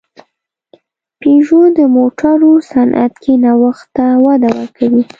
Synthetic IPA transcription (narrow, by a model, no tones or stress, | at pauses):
peʒod̪əmoʈaɾosanʔa̰t̪kʰenawəxt̪ːawad̪awəɾkawi